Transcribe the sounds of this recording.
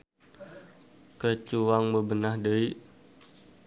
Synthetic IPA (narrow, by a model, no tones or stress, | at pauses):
kət͡ʃuwaŋməbənahdəiʔ